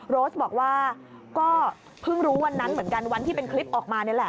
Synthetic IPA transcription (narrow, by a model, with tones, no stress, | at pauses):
ɾoː˦˥sbɔː˨˩k̚waː˥˩ | kɔː˥˩ | pʰɯ˥˩ŋɾuː˦˥wa˧nːa˦˥nmɯ˩˦ənka˧nwa˧nt̪ʰiː˥˩pe˧nkʰli˦˥p̚ʔɔː˨˩k̚maː˧na˥˩˨lɛ˨˩